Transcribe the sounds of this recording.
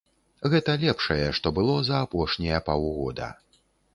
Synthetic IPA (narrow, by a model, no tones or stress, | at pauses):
ɣɛt̪ɐlʲɛpʂɐjɛʂt̪ɔbɨlˠɔzɐːpɔʂnʲijɐpawɣɔd̪ɐ̰